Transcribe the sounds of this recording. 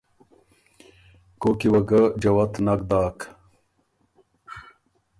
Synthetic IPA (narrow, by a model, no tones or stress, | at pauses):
kokiwɐɡɐd͡ʑɐwɐt̪nɐk̚d̪aːk